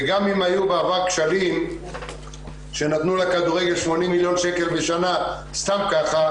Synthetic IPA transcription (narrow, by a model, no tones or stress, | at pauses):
ɡamimajubeavaʁkʃalim | ʃe̞nat̪nulekad̪uʁeɡe̞lʃmo̞nimːiljo̞nʃe̞ke̞lbeʃana | st̪amkaχa